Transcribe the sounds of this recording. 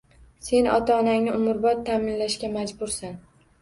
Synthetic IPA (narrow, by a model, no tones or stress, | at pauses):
se̞nʔɒ̰t̪ʰaːnaŋnɪʔʊmʊɾbɒt̪ʰːamɪnlaʃkʲamad͡ʒbʊɾsan